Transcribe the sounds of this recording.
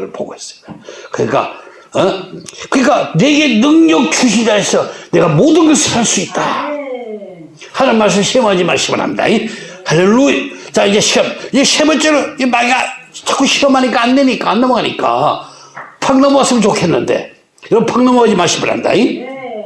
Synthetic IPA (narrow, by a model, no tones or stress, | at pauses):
ɾɯ̰ɭpo̰ɡo̰es͈ʌ̥jokɯɲḭk͈a̰ | kɯɾik͈ane̞ɡe̞nɯŋɲʌk̚t͡ɕʰuɕʰid͡ʑaesʰʌne̞ɡamodɯnɡʌsʰɯaɭs͈uit̚t͈a | hanɯnmaɭs̬ɯmɕʰiʌmad͡ʑima̰ɕʰimɯ̰nha̰mida̰i | halːeluit͡ɕaid͡ʑe̞ɕʰiʌmid͡ʑeɕʰebʌt͡ɕ͈ʌɾʌmaɡiat͡ɕʰak͈ʰuɕʰiʌmɦaɲik͈aandeɲik͈anːʌmaɡaɲik͈a̰ | pʰaŋnʌmas͈ɯmnt͡ɕokʰe̞nːɯnde̞̰ | iɾʌpʰaŋnʌmoɦad͡ʑimaɕʰimɯnha̰nda̰i